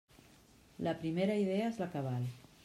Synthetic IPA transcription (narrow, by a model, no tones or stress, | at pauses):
ləpɾimeɾəiðeəezləkəβal